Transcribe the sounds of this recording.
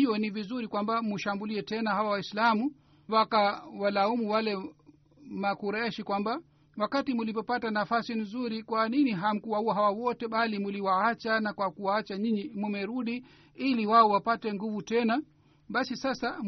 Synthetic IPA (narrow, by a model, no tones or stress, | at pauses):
iɔnivizuɾikwambamuʃambuliɛtɛnaɦawawaislamu | wakawalaumuwalɛ | makuɾɛʃikwamba | wakatimulipɔpatanafasin̩zuɾikwaniniɦam̩kuwahuwaɦawawɔtɛɓalimuliwaat͡ʃanakwakuwaat͡ʃaɲiɲimumɛɾuɗi | iliwaɔwapatɛŋɡuvutɛna | ɓasisasa